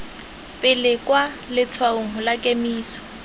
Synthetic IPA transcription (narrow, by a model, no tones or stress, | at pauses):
pʼɪlɪkʼwa | lɪt͡sʰwaʊŋ̩ɦʊlakʼemiːsɔ̥